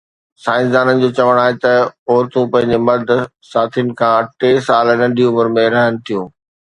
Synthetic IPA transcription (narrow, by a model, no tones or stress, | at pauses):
saːɪ̃ns̬d̪aːnənɪ̆d͡ʑoːt͡ɕɐʋəɽ̃aːɦet̪ɐɔːɾt̪ũpɐ̃ɦɪ̃ɲd͡ʑemɐɾd̪ʱ | saːt̪ʰijnɪ̆kʰãːɐʈesaːlnɐ̃ɳɖʱiʊməɾmẽɾɐɦəñɪ̆t̪ʰijũː